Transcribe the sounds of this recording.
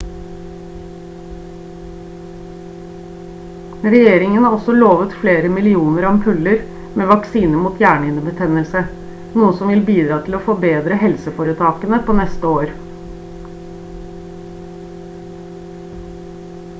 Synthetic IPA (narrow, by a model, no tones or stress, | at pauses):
ɾɛjeːɾɪŋənhɑːɔsɔloːʋət̪fleːɾəmɪlɪuːnəɾɑmpʰʉləɾ | meːʋɑksiːnəmuːt̪ʰjæːɳɪnəbət̪ʰɛnəlsə | nuːəsɔmʋɪlbiːd̪ɾɑːt̪ʰɪloːfɔbeːd̪ɾəhɛlsəfɔːɾət̪ʰɑːkənəpʰoːnɛst̪əoːɾ